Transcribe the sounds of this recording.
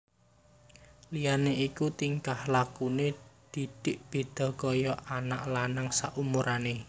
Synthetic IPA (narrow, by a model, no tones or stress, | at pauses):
lijaneikut̪iŋkahlakuned̪̥i̤d̪̥ɪʔb̥e̤d̪̥ɔ̤kɔjɔʔanaʔlanaŋsaʔumuɾʔane